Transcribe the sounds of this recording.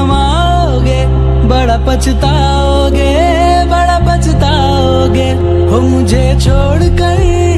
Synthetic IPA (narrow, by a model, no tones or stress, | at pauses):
maː | ɡe | bəɽapət͡ʃt̪a | ɦoːɡe | bɐɽapɐt͡ʃt̪a | ɦoːɡe | ɦoːmʊ̃d͡ʒʱet͡ʃʰoːɽkəi